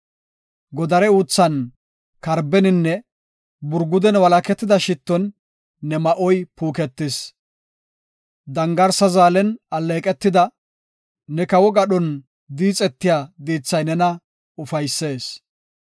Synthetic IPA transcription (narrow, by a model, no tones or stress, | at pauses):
ɡɔd̪ɐɾɛuːt͡sːɐn | kɐɾbɛnɪnːɛ | bʊɾɡʊd̪ɛnwɐlɐkɛt̪ːɪd̪ɐʃɪt̪ːɔnː | ɛmɐʔɔjpuːkɛt̪ːɪs | d̪ɐŋɡɐɾsɐzaːlɛnɐlːeːkʼɛt̪ːɪd̪ɐ | nɛkɐwɔɡɐɗɔn | d̪iːt͡sʼɛt̪ːɪjaːd̪iːt͡sːɐjnɛnɐ | ʊfɐjsːe̞ːs